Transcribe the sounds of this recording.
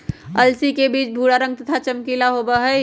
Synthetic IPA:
əlsikebiːt͡ʃbʱuɽaɾə̃ŋɡ̚t̪ət̪ʰat͡ʃəmkilaɦobəɦə

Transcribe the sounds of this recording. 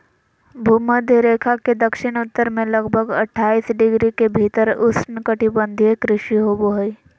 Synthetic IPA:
bʱuːməd̪ʱjəɾeːkʰaked̪əkʃɪɽ̃ʊt̪ːəɾmẽləɡbʱəɡɐʈʰːaːiːsɖɪɡɾikebʱiːt̪əɾʊsnkəʈibə̃nd̪ʱiekɾɪʃiɦoboɦəi

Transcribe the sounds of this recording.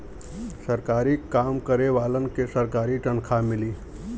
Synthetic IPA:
səɾkaːɾikaːmkəɾeʋaːlənkesəɾkaːɾiʈənkʰamɪliː

